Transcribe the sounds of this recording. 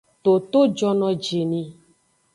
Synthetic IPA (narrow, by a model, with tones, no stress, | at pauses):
t̪o˨t̪o˦d͡ʒɔ˦nɔ̃˧d͡ʒe˨nĩ˨